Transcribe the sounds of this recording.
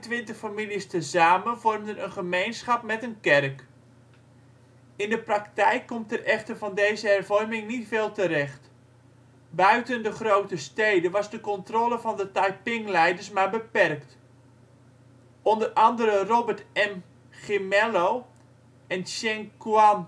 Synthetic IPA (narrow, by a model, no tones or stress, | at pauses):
tʋɪntəχfamilistəzaːmənvɔrmdənənχəmejnsχɑp̚mɛtənkɛrk | ɪndəpraktɛjkːɔmtərʔɛχtərvɑndejzəɦɛrvɔrmɪŋnitfeːlˠtərɛχt | bœɥtəndəχrowtəstejdənʋɑzdəkɔntroːləvɑndətajpɪŋlɛjdəɹsmaːɹbəpɛrkt | ʔɔndərɑndəɾərobərtɛm | χɪmɛlow | ɛnʃɛŋkuan